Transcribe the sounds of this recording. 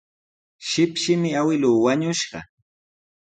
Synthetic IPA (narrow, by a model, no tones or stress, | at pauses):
ʃɪpʃɪmɪawɪluːwaɲʊʃɢɑ̰